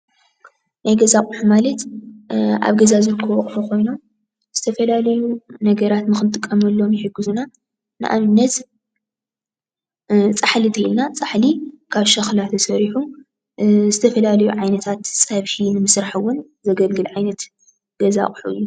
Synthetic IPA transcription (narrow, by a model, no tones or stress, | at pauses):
najɡɐzakʼħumalɐt̪ | ʔa̰βɡɐzazɨɾkʰːowɔkʼħukʰo̞jnom | z̥ɨt̪ʰɐfɐlalɐjunɐɡɐɾat̪nɨxɨnt̪ʼɨkʼːɐmɐlːo̞mjɪħɨɡːɨzuna | nɨ̰ʔa̰mɨnːɐt̪ | t͡sʼaħlit̪ʰɐlnat͡sʼaħlikʰaβʃɐxlat̪ʰɐsɐɾiħu | zɨt̪ʰɐfɐlalɐjuʕajnɐt̪ʰat̪sʼaβħinɨmɨsɾaħɨwːʊn | zɐɡɐlɡɨlʕajnɐt̪ | ɡ̥ɐza̰kʼħuʔɨ̰jːu